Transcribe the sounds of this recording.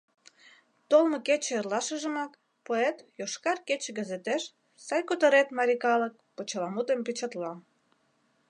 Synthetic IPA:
t̪olməket͡ɕĕerlɑʃəʒə̆mɑk | poet̪joʃkɑrket͡ɕĕɡəzet̪eʃ | sɑjkot̪oɾet̪mɑɾʲikɑlək̚pot͡ɕəlɑmut̪empit͡ɕɑt̪lɑ

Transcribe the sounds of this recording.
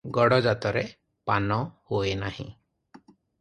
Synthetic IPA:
ɡɔɽɔd͡ʒat̪ɔɾe | panɔhoenahḭ̃

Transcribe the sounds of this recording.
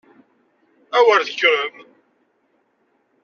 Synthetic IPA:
æwəɾθəçɾəm

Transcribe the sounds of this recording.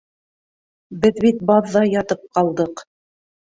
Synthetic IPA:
bɘðbit̪̚bɑðːɑjɑt̪ɤp̚qɑlˠd̪ɤq

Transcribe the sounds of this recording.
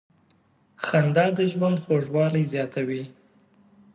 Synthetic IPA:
xand̪ɑd̪əʒwand̪xoʒwɑlajzjɑt̪awi

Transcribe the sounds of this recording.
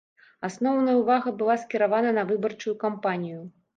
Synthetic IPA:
asnɔwnɐjɐwvaɣɐbɨlˠaskʲiɾavanɐnɐvɨbɐrt͡ʂujukampanʲiju

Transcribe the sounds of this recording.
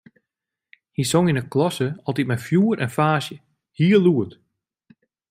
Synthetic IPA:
hisoŋinəklɔsəɔlˠtit̚mɛjfjuːəɾʔɛnfaːsjə | hiːəluət

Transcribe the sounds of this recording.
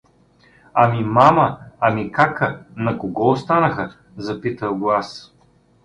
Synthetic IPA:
ɐmimaməɐmikakənɐkoɡɔost̪anəxə | zɐpit̪əwɡlˠas

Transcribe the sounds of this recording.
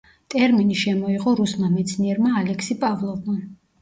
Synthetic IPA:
t̪ʼɛɾminiʃɛmɔiʁɔɾusmamɛt̪sʰniɛɾmaːlɛkʰsipʼavlˠɔvma

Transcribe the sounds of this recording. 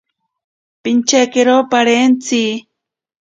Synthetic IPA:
pint͡ʃakeɾopaɾent͡si

